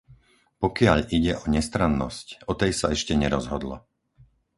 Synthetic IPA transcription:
pɔkɪaʎiɟɛɔɲɛst̪ɾanːɔscɔt̪ɛjsaɛʃcɛɲɛɾɔzɦɔd̪lɔ̰

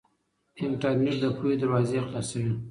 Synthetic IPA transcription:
ɪmʈaɾneʈd̪əpʰujod̪aɾwɑzexlɑsawi

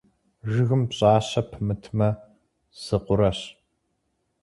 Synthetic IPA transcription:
ʒɪɣɨmpɕʼaːɕɐpʰɨmɨtʰmɐ | sɨqʷʊɾɐɕ

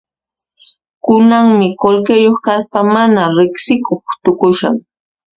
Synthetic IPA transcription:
kʊnaŋmɪkolkejoχkaspamanaɾɪksɪkoχʊ̥t̪ʊkʊʃa̰ŋ

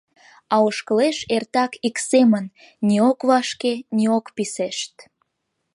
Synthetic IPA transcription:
ɑoʃkəleʃert̪ɑkiksemən | niokβɑʃkeniokpiseʃt̪̚

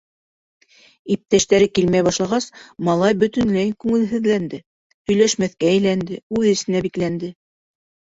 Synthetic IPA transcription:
ip̚t̪æʃt̪æɾɘkilmæjbɑʃlˠɑʁɑsmɑlˠɑjbɵ̆t̪ɵ̆nlæjŋkʉŋɘ̆lɦɘ̆ðlænd̪ɘ | hɵ̆jlæʃmæθkæːjlænd̪ɘʉðɘ̆sɘ̆næbiklænd̪ɘ

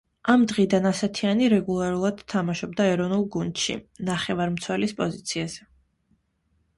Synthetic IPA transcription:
amd̪ʁid̪anasɛt̪ʰianiɾɛɡulˠaɾulˠad̪̥t̪ʰːamaʃɔbd̪aɛɾɔnulˠɡund̪̥ʃḭnaχɛvaɾmt̪sʰwɛlispʼɔzit̪sʰiazɛ

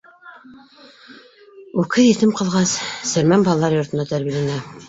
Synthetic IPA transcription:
ʉkɘðɘ̆t̪ɘmqɑ̆lˠʁɑssɘ̆ɾmæmbɑlˠɑlˠɑɾjŏɾt̪ɤ̆nɑt̪æɾβijælænæ

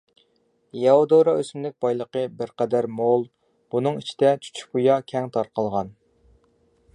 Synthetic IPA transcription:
jɑd̪oɾɑøsmlɪk̚ʲbɑjlˠəqəbɪɾqɛd̪æɾmolˠ | b̥unɨŋit͡ʃʰi̥d̪ɛt͡ʃʰy̥t͡ʃʰy̥pujɑkʲʰɛŋt̪ʰɑɾqɑlˠʁɑn

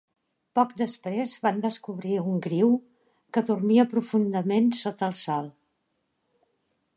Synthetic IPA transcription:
pɔkd̪əspɾezβand̪əskuβ̞ɾiuŋɡɾiw | kəðurmiəpɾufund̪əmensot̪əlˠsɔlˠ

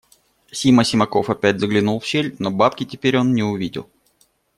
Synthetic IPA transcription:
sʲiməsʲɪmɐko̞fɐpʲætʲzəɡlʲɪnulˠfɕelʲno̞bap̚kʲɪtʲɪpʲeɾʲo̞nnʲɪʊvʲidʲɪ̰lˠ

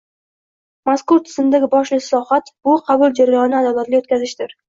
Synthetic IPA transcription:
maskʊɾt̪ʰɪ̥zɪmd̪aɡʲɪbɒʃlɪsɒhat̪bʊqʰɑbʊlˠd͡ʒaɾajɒnɪad̪ɒlat̪lɪot̪kʲazɪʃd̪ɪɾ

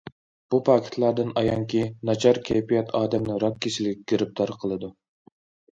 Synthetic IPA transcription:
b̥upʰɑːkʲʰɪ̥t̪ʰlˠɑːɾd̪ɨnɑjɑŋkʲʰinɑt͡ʃʰɑɾkʲʰejpijɛt̪ʰɑːd̪ɛmnɨɾɑt̪̚kʲʰːeʃɪlɪk̚ʲɡ̥ʲeɾɪp̚t̪ʰɑɾqʰəlˠɨd̪u

